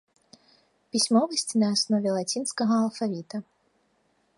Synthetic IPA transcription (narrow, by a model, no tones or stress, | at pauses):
pʲisʲmɔvɐsʲt͡sʲnɐːsnɔvʲɛlˠat͡sʲinskɐɣɐːlˠfavʲit̪ɐ